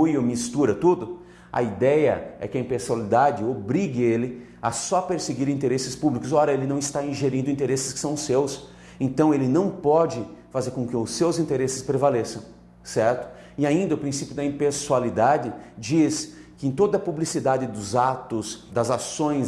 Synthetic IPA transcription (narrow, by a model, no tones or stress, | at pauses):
ujʊmist̪uɾɐt̪ud̪ʊ | ɐ̰id̪ɛjɐ̰ɛ̰kɪɐĩpesualid̪ad͡ʒɪobɾiɡɪelɪ | ɐsɔpeɾseɡiɾĩt̪eɾesɪspublikʊsɔɾɐelɪnɐ̃w̃ɪst̪aĩʒeɾĩnd̪ʊĩt̪eɾesɪskɪ̥sɐ̃w̃sews | ẽnt̪ɐ̃w̃elɪnɐ̃w̃pɔd͡ʒɪfazeɾkõkɪʊsːewzĩnt̪eɾesɪspɾevalesɐ̃w̃ | sɛɾt̪ʊ̥ | ɪaĩnd̪ɐʊpɾĩsipjʊd̪ɐĩpesualid̪ad͡ʒɪd͡ʒiskɪẽt̪od̪ɐpublisid̪ad͡ʒɪd̪ʊzat̪ʊsd̪ɐzasõj̃